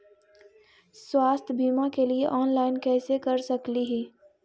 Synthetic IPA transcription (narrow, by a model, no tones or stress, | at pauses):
swaːst̪ʰbʱiːmakelieʔɔːnlaːɪnkɛːsekɐɾsɐkliɦiː